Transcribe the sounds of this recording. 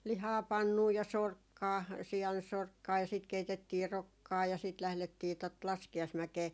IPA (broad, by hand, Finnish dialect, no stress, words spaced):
lihɑː pɑnːuː jɑ sorkːɑː siɑnsorkːɑː jɑ siːt keitetːiː rokːɑː jɑ siːt læhletːiː tot lɑskiɑismækeː